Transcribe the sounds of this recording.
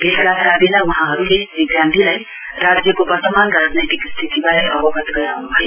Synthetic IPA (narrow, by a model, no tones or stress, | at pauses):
bʱelɡakkabelauɦãɦʌɾulebiɡjãnt̪ilaj | rad͡zjʌkobʌrt̪ʌmanrad͡znajt̪ikst̪ʰit̪ibaɾeʔʌbʌbʱʌt̪ɡʌjawnubʱʌje